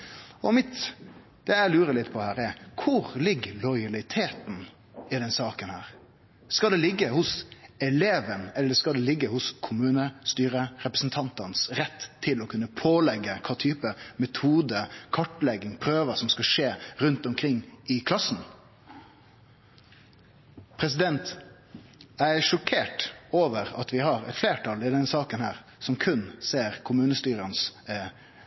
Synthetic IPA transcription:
ɔmɪt̪ | d̪̥ɛjæɪlʉːɾəlɪt̪ːpʰɔhæːɾɛkʰʊʁlɪɡːəlɔʏɑlɪt̪ʰeːt̪n̩ | ɪd̪ɛnsɑːkənhæːɾ | skɑld̪ɛlɪɡːəhʊsɛleːʋənɛlːəɾskɑld̪ɛlɪɡːəhʊskʰʊmʉːnəst̪yːɾəɾɛpɾəsn̩t̪ʰɑnt̪ɑnsɾɛt̪ːʰɪlɔkʰʉnːəpʰoːlɛɡːəkʰɑːt̪ʰyːpəmɛt̪ʰuːd̪əkʰɑʈlɛɡɪŋpʰɾøːʋəsɔmskɑʂeːɾʉnt̪ɔmkʰɾɪŋːɪkʰlɑsn̩ | pʰɾɛs̬ɪd̪ɛnt̪ | æɪʂɔkʰeːʈoːʋəɾɑt̪ʋɪɦɑɾɛ̰t̪fleːʈʰɑlɪd̪ɛnsɑːkənhæːɾ | sɔmkʰʉnseːɾkʰʊmʉːnəst̪yːɾəns

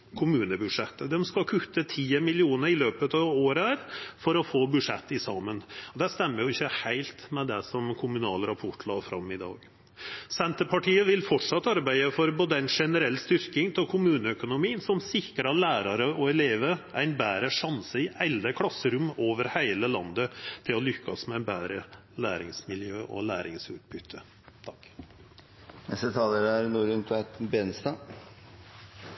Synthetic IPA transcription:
kʰʊmʉːnəbʉʂɛt̪ːəd̪ɛmskɑkʰʉt̪ːət̪ʰiːəmɪlɪuːnəɾɪløːpət̪ɑʋoːɾəæːɾfɔɾɔfoːbʉʂɛt̪ːɪsɑmːənɔd̪æst̪ɛmːəɾjʊɪçːəhæɪlt̪mɛd̪ɛsɔmkʰʊmʉnɑ̰ːlɾɑpʰɔʈːlɑ̰ːfɾɑ̰mːɪd̪ɑ̰ːɡ | sɛnt̪əɾpʰɑʈʰiːəʋɪlfɔʈʂɑt̪ːɑɾbæɪəfɔɾboːd̪əæɪnʂɛnəɾɛlːst̪ʏɾkɪŋt̪ʰɪlkʰʊmʉːnəœkʊnʊmiːnsɔmsɪkəɾɑt̪læːɾɑɾəɔɛleːʋəæɪnbæːɾəʂɑnsəɪʔɛld̪əkʰlɑsːəɾʊmoːʋəɾhæɪləlɑ̰nd̪ət̪ʰɪlɔlʏkːɑsmɛæɪnbæːɾə | læːɾɪ̰ŋsmɪljø̰ːʔɔ̰læːɾɪ̰ŋsʉ̰ːt̪̚bʏt̪ʰːə | t̪ʰɑk | nɛst̪ət̪ʰɑːləɾæɾnuːɾʉnt̪ʰʋæt̪beːnst̪ɑː

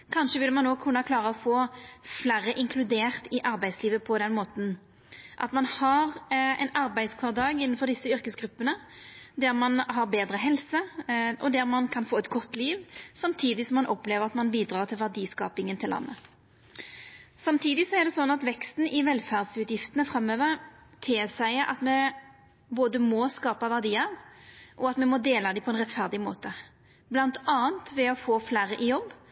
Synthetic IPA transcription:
kʰɑnʃəʋɪlːəmɑnːoːkʰʉnːəkʰlɑːʁəɔfoːflæːʁəʔɪŋkʰlʉd̪eːʁt̪ɪʔɑɾbæɪd̪sliːʋəpʰɔd̪ɛnmoːt̪n̩ | ʔɑ̰t̪mɑnhɑʁɛ̰ɪnɑɾbæɪd̪skʰʋɑːʁd̪ɑːɡɪnːənfɔɾd̪ɪsːəʏɾkəsɡɾʉpːənə | d̪æʁmɑnɦɑʁbeːd̪ɾəɦɛlsəʔɔd̪æʁmɑnkʰɑnfoːɛt̪̚ɡʰɔt̪ːliːʋsɑmt̪ʰiːd̪ɪsɔmːɑnʔɔpleːʋəʁɑt̪mɑnbiːd̪ʁɑːʁt̪ʰɪlʋæʁd̪iːskɑ̰ːpɪŋənt̪ʰɪlːʔɑ̰nːə | sɑmt̪ʰiːd̪ɪsɔæʁd̪ɛsɔnːɑt̪ʋɛkst̪n̩ɪʋɛlfæʁd̪sʉːt̪jɪft̪ənəfʁɑmːøːʋəʁ | t̪ʰɪːsæɪəʔɑ̰t̪mɛ | boːd̪əmɔskɑːpɑʋæʁd̪iːɑʋʔɔɑt̪mɛmɔd̪eːlɑd̪ɪpʰɔɛnʁɛt̪fæʁd̪ɪmo̰ːt̪ə | blɑnt̪ɑːənt̪ʋɛɔfoːflæːʁəʔɪjɔbː

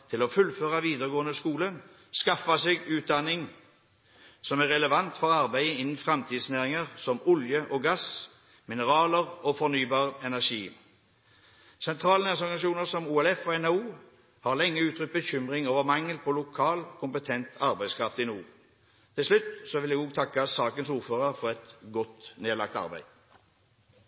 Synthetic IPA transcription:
t̪ʰɪlɔfʉlføːʁɑʋiːd̪əʁɡoːənəskuːlən | skɑfɑseːɡʉːt̪̚d̪ɑnːɪŋ | sɔmæʁːɛləʋɑnt̪fɔʁɑʁbæɪəɪnn̩fʁɛmt̪ʰiːd̪snæːʁɪŋəʁsɔmʊljəʔɔːɡɑs | mɪnəʁɑːləʁoːfɔʁnyːbɑːʁɛnæʁʂiː | sɛnt̪ʰʁɑːlnɛsɔʁɡɑnʃuːnəʁsɔmuːɛlɛfoːɛnɑuː | hɑːʁlɛŋːəʉːt̪ʰʁʏt̪̚bəçʏmʁɪŋoːʋəʁmɑŋːəlpʰɔːlʊkʰɑːlkʰʊmpət̪ʰɛnt̪ʰɑʁbæɪskʰʁɑft̪ɪnuː | t̪ʰɪlslʉt̪sɔʋɪljæɡoːɡ̚t̪ʰɑkːəsɑːkənsuːʁføːʁəʁfɔʁɛt̪ɡɔt̪neːlɑ̰k̚t̪ɑ̰ʁbæ̰ɪd̪

